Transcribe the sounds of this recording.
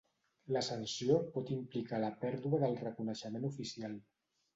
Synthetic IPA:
ləsənsiopɔt̪implikaləpɛɾðuəðəlˠrəkunəʃəmenufisialˠ

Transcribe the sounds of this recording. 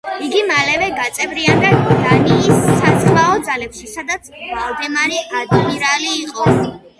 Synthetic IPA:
iɡimalɛvɛɡat̪sʼɛvɾiand̪ad̪aniʃisasʼmaɔd̪zalɛpʃisad̪at̪sʰvalˠd̪ɛmaɾɛʔad̪miɾaliːqʼɔ

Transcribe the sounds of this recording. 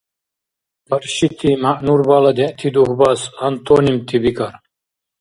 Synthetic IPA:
bɐɾʃit̪ʰimaʔnuɾbalɐd̪eʔt̪ʰid̪uhbɐshɐnt̪ʰonimt̪ʰibikɐɾ

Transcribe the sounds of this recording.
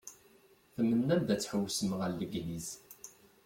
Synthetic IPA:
θəmːənːæmd̪æt͡sːħəwːsəməʁælːəɡniz

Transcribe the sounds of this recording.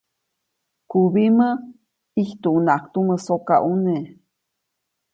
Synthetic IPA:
kuβimə | iht̪uʔunaʔkt̪uməsokaʔune

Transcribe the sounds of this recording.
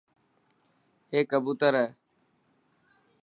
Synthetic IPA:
eːkːəbuːt̪əɾɦɛː

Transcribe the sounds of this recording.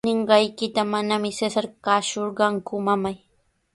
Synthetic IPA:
ɪɴɢɑjkɪt̪amanamɪsesaɾkaːʃoɾɢɑŋkʊmamaj

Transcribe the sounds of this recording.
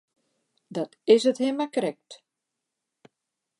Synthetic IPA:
dɔtɪsəthemakrɛk̚t

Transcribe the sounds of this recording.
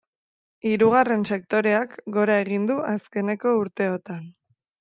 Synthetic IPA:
iɾuɣ̞are̞nse̞k̚t̪o̞ɾe̞akɡo̞ɾaeɣ̞ind̪uʔaske̞ne̞ko̞uɾt̪e̞ot̪an

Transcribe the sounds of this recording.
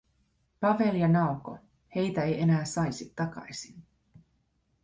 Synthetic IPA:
pɑʋeliɑnɑuko̰ | he̞jt̪æe̞jenæːsɑjsit̪ːɑkɑ̰jsin

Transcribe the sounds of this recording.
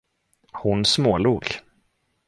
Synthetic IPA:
hʊnsmoːluːɡ

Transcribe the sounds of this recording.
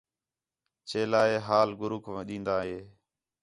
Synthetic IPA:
t͡ʃeːlaːeːɦaːlɡʊɾʊkʰɗĩːnd̪aːɦeː

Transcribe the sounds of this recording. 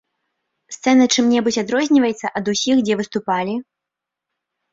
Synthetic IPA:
st̪sɛnɐt͡ʂɨmnʲɛbut͡sʲad̪ɾɔzʲnʲivɐjɛt̪sːɐʔɐd̪usʲixd͡zʲɛvɨst̪upalʲi

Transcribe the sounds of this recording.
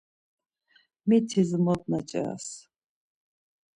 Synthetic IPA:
mit̪ʰizmɔt̪̚nat͡ʃʼɛ̰a̰s

